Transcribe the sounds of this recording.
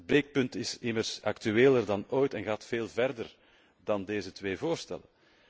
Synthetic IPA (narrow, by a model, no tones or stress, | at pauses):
əd̚bɾeːk̚pɵntɪsɪmərsaktyeːlərdɑnoːjtɛnɣaːtfeːlˠvɛrdər | dɑndeːzətweːvoːrstɛ̰lə